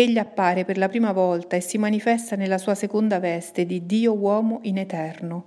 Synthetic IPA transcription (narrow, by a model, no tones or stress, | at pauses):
eʎːiapːaːɾeperlapɾiːmavɔlt̪aesːimanifɛst̪anelːasuːasekond̪avɛst̪ed̪id̪iːowɔːmoʔinet̪ɛrno